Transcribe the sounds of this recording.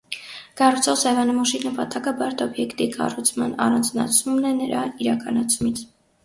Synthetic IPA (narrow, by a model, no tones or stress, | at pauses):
kɑrut͡sʰɔχsɛvɑnəmɔʃinəpɑt̪ɑkəbɑɾt̪ɔbjɛkt̪ikɑ̰rut͡sʰmɑnɑ̰rɑnd͡znɑ̰t͡sʰumnɛnəɾɑiɾɑkɑnɑt͡sʰumit͡sʰ